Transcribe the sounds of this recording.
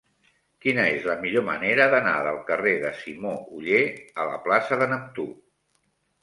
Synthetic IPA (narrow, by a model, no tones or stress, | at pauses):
kinəezləmiʎomə̰neɾəðəna̰ðəlˠkəreðəsimouʎeələ̰plasəðənəp̚t̪u